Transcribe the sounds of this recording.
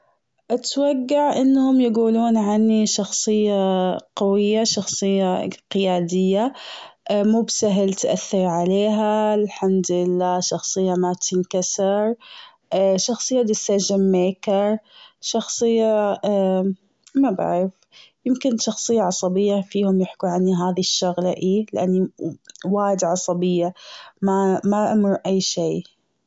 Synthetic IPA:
ʔat̪waɡːaʕʔɪnːhʊmjaɡuːluːnʕanːiʃɑxsˤɨjːaqawɪjːaʃɑxsˤɨjːaqɪjaːd̪ɪjːa | ʔmuːbsaɦlt̪ʔaθːɪɾˤʕaleːɦalħamd̪lɪlːaːʃɑxsˤɨjːamat̪ɪnkasɪɾˤ | ʔʃɑxsˤɨjːalisad͡ʒɪmːeːkɪɾˤʃɑxsˤɨjːa | maba̰ʕɾɪf | jɪmkɪnʃɑxsˤɨjːaʕɑsˤɑbɪjːafiːhʊmjɪħkuʕanːiɦaːðiʃːʊɣlaʔiːlɪʔanːiwaːjd̪ʕɑsˤɑbɪjːamamaʔamʊɾʔajːʃeː

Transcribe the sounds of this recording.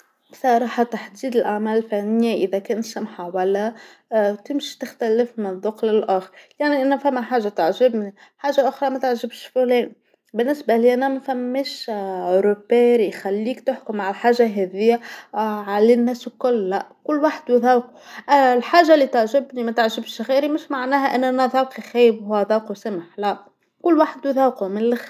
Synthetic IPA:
bsˤɑɾˤɑːħat̪aħd̪iːd̪ɪlʔaʕmæːlɪlfænːɪjːaʔɪðækɛːnt̪samħawælːæ | t̪ɪmʃi̥t̪ɪxt̪ælɪfmɪnðˤːʊqlɪlʔaːxɾjaʕniʔænæfæmːæħaːʒːat̪aʕʒɪbniħaːʒːaʔʊxɾˤɑmæt̪aʕʒɪbʃfulɛːni | bɪnːɪsbaliːʔænæmæfæmːeːʃʕoɾobeɾixælːiːkt̪ɪħkʊmːaʕalħaːʒːaɦɛðɪjːaʕalɪnːæːskʊlːæʔkʊlːwaːħd̪wɪðawquʔlħaːʒalːit̪aʕʒɪbnimæt̪aʕʒɪbʃɣiːɾimɪʃmaʕnæːɦæʔænːʔænæðˤɑwqixæːjɪbhʊwæðˤɑwqusamħlæʔ | kʊlːwaːħɪd̪wðɑwqumɪnlx

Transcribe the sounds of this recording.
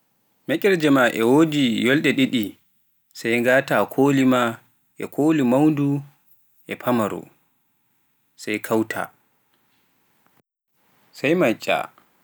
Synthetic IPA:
mɛkʲʼɛɾd͡ʒɛmaʔɛ̰woːd͡ʒijɔlɗɛɗiɗi | sajŋɡaːtakʰoːlima | ʔɛ̰kʰoːlimawndu | ʔɛpʰamaɾɔ̰ | sajkʰawtʰa̰ | sajmat͡ʃʼːa̰

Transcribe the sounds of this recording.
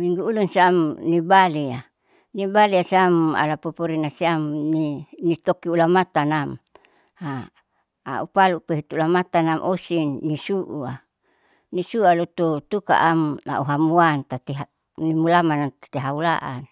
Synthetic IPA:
miŋɡuːlunsiamnibalia | nibaliasiama̰lapopoɾinasiamninit̪okiulamat̪anam | ha̰ː | upaluʔpeɦut̪uulamat̪anamʔosinːisuʔua | nisualot̪ut̪uka̰ʔamna̰uɦamuant̪at̪eɦa | nimulamanat̪ḁt̪eɦaula̰ʔan

